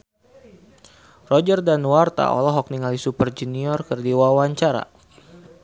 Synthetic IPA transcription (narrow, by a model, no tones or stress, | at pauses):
rɔd͡ʒərdanwart̪a̰ɔ̰lɔɦɔk̚niŋalisupərd͡ʒuniɔrkɨrdiwawaɲt͡ʃaɾa̰